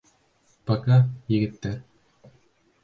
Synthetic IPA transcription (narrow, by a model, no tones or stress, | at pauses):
pɑkɑjɘ̆ɡɘ̆t̪ːæɾ